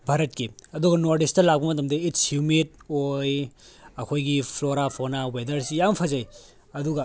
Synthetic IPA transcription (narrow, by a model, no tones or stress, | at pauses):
bʱaɾɐt̚kiɐduɡɐnoɾdistɐlak̚bɐmɐtɐmdɐitshjumit̚ojɐkʰojɡipʰloɾapʰonawedɐɾsijampʰɐzaj | ɐduɡɐ